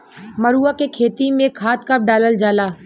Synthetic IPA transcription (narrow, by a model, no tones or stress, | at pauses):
məɾuːakekʰeːt̪imẽkʰaːt̪kəp̚ɖaːləld͡ʒaːlaː